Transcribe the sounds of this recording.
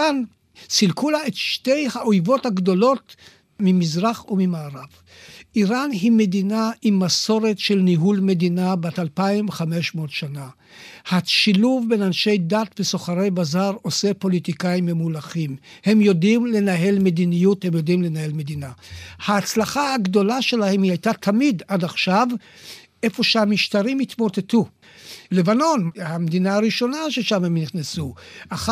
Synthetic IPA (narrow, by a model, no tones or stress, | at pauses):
an | silkulaetʃte̞jhaojvo̞thaɡdo̞lo̞t | mimizʁaχumimaːʁav | ʔiʁanɦime̞dinaʔimːaso̞ʁe̞tʃe̞lniɦulme̞dinabatalpaimχame̞ʃmo̞tʃana | haʃiluvbe̞nanʃe̞jdatbeso̞χaʁe̞jbazaʁo̞se̞po̞litikaimemulaχimhe̞mjo̞dimle̞naɦe̞lme̞dinijuthe̞mjo̞dimle̞nahe̞lme̞d̪inahaːt͡slaχahaɡdo̞laʃe̞lahe̞mhiajtatʰamidadaχʃav | ʔe̞fo̞ʃehamiʃtaʁimit̪mo̞te̞tu | levano̞nhamed̪inaaʁiʃo̞naʃe̞ʃamhemniχnesuʔaχ